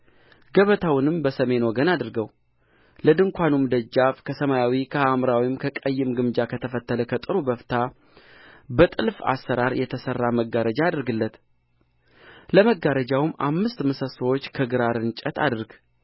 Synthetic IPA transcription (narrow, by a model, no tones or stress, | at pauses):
ɡ̥əβət̪ʰawnɨmbəsəme̞noɡənad̪ɾɡəw | ləd̪ɨŋkʷanumd̪əd͡ʒːafkʰəsəmajawikʰəhamɾawimkʰəkʼəjːɨmɡɨmd͡ʒakʰət̪ʰəfət̪ːələkʰət̪ʼɨɾubəft̪ʰa | bət̪ʼɨlfa̰sːəɾaɾjɛt̪ʰəsərːaməɡːaɾəd͡ʒaːd̪ɨɾɡɨlːət̪ | ləməɡaɾəd͡ʒawɨmʔa̰mːɨst̪məsəsəwot͡ʃːkʰəɡɨɾaɾɨnt͡ʃʼət̪ʰa̰d̪ɨɾɡ